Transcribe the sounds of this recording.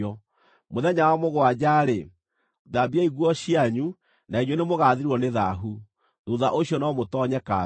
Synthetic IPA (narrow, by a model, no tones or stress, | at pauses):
ɔ | moðɛɲawamoɣoad͡ʑaɾe | ðabiaiɣwɔɕiaɲu | naiɲwɔnemoɣaðiɾwɔneðaɦu | ðuðaʔoɕjɔnɔmotɔɲɛka